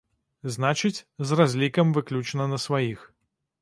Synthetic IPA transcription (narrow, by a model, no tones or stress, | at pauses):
znat͡ʃɨt͡sʲzrazʲlʲikɐmvɨklʲut͡ʂnɐnɐsvajix